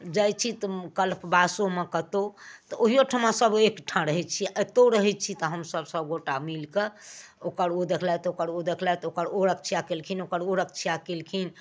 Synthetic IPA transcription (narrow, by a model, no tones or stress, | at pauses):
d͡ʒəjt͡ʃʰit̪kəlpʰbasomekət̪ot̪ɔoɦijoʈʰəmãsəbekʈʰãɾəɦɛt͡ʃʰit̪oɾəɦɛt͡ʃʰit̪ɔɦəmsəbsəbɡoʈamilke | okəɾod̪ekʰlajt̪ɔokəɾod̪ekʰlajt̪ɔokəɾoɾək̚t͡ʃʰijakelkʰinokəɾoɾək̚t͡ʃʰjakelkʰin